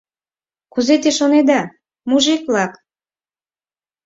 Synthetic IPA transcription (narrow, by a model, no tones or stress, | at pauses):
kuzet̪eʃoned̪ɑ | muʒik̚lɑk